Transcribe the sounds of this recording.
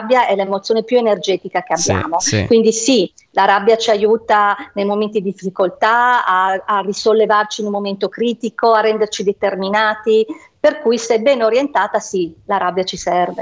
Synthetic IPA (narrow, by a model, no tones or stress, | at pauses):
bːjaɛlemot̪sːjoːnepjuenerd͡ʒɛːt̪ikak̟eabːja̰ːmokwind̪isi | laɾabːjat͡ʃiajuːt̪anejmoment̪id̪ifːikolt̪aaːrisolːevart͡ʃinulmːoment̪okɾiːt̪ikoarːɛnd̪ert͡ʃid̪et̪erminaːt̪i | perkuːjsɛbːɛnoɾjent̪aːt̪asilaɾabjat͡ʃisɛrve